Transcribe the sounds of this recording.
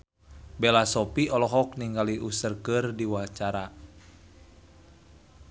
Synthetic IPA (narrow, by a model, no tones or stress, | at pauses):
bɛlasɔpiɔlɔɦɔk̚niŋɡaliʔusərkərdiwaat͡ʃaɾa